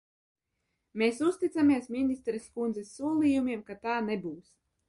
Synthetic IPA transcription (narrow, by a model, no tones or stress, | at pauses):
meːsust̪it̪samiɛsminʲist̪ɾɛskund̪zɛsːuɔlˠiːjumʲiɛmkat̪aːnebuːs